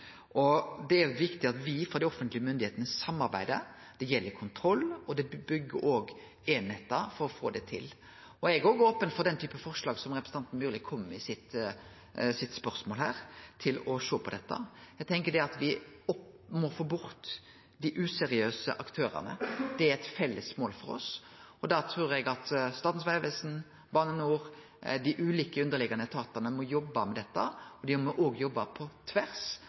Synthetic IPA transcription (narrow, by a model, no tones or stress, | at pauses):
ʔɔd̪ɛæɾʋɪkt̪ɪɑt̪ʋɪfɑd̪ɪɔfənt̪lɪəmʏnd̪ɪeːt̪ənəsɑmːɑɾbæ̰ɪd̪ə | d̪̥ɛjɛlːəkʰʊnt̪ʰɾɔlːɔd̪ɛbʏɡːə̰ɾoːɡ | eːnheːt̪əfɔɾɔfoːd̪ɛt̪ʰɪ̰l | ɔɛɡɔːɡoːpənfɔɾd̪ɛnt̪ʰyːpəfɔʁʂlɑːɡsɔmɾɛpɾəs̩ɑnt̪n̩byːɾlɪkʰɔmːɪsɪt̪ | sɪt̪spœɾsmoːlhæ̰ːɾt̪ʰɪlɔʂoːpʰɔd̪ɛt̪ːɑ̰æɡ̚t̪ʰɛŋkəɖ̪ɛɑt̪ʋɪ | ɔp | mɔfoːbʊɾt̪ | d̪ɪʔʉsɛɾɪøːsə̰ʔɑkt̪ʰøːɾɑ̰nə̰d̪̥ɛæɾɛt̪fɛlːəsmoːlfɔɾɔ̰sɔd̪ɑt̪ʰɾuːɾɛɡɑt̪st̪ɑːt̪n̩sʋæɪʋɛsn̩ | bɑːnənuːʁ | d̪ɪʔʉːliːkəʉnd̪əlɪɡɑnət̪ʰɑːt̪ɑnəmɔjɔbːɑmɛd̪ɛt̪ːɑɔd̪ɪmɔʔoːɡjɔbːɑpʰɔt̪ʰʋæɾs